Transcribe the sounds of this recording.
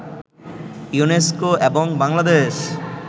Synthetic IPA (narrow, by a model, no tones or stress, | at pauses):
juneskoeboŋbaŋlad̪eʃ